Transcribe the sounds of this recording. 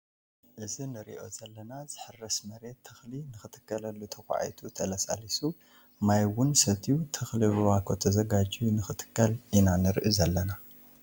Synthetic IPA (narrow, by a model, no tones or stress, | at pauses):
ʔɨzinɨɾḭʔo̞̰zɐlːɐnazɨħɨrːɐsmɐɾe̞t̪ʰːɐxlinɨxɨt̪ʰɨ̥kʰːɐlɐlːut̪ʰɐxʷa̰a̰jt̪ʰut̪ʰɐlɐsʼa̰lisu | majwʊnsɐt̪ʰijut̪ʰɐxliβɨwakʰot̪ʰɐzɐɡad͡ʒiunɨxɨt̪ʰɨ̥kːɐlʔinanɨɾʔizɐlːɐna